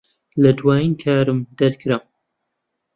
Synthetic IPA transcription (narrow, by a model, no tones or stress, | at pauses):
lɐd̪waːjiːnkʰaːɾɨmd̪ɐɾkʰɨɾam